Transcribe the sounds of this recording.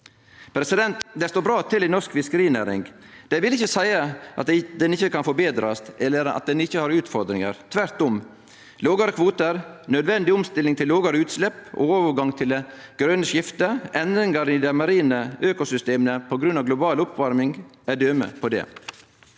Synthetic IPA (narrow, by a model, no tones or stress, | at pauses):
pʰɾɛsɪd̪ɛnt̪d̪ɛst̪oːbɾɑːt̪ʰɪlɪnɔʂkfɪskəɾiːneːɾɪ̰ŋd̪̥æɪʋɪlɪçːəsæɪəʔɑt̪̚d̪ɛnɪçːəkɑnfɔɾbeːd̪ɾɑst̪ɛlːəɾɑ̰t̪̚d̪ɛnɪçːəhɑɾʉːt̪fɔɾd̪ɾɪŋə̰ɾt̪ʰʋæɾt̪ʊm | loːɡɑɾəkʰʋoːt̪əɾnœd̪ʋɛnd̪ɪʊmst̪ɪlːɪŋt̪ʰɪloːɡəɾəʉːt̪slɛpːoːoːʋəɾɡɑŋt̪ʰɪlɡ̥ɾœnəʂɪft̪əʔɛnd̪ɾɪŋɑɾɪd̪æmɑɾiːnəøːkʊsʏst̪eːmənəpʰɔɡɾʉnːɑʋɡlʊbɑːlʊpʰʋɑɾmɪŋæɖ̪øːmə̰pʰɔd̪ɛ̰